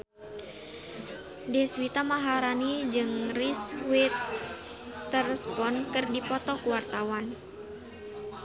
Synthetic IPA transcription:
dɛswit̪amaɦaɾanid͡ʒɨŋriswit̪ː | ərɛspɔnkɨrdipɔt̪ɔkuwart̪awan

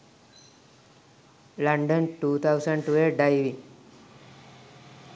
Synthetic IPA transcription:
lãɳɖənʈut̪ʰawsəɳɖʈueɖajʋi

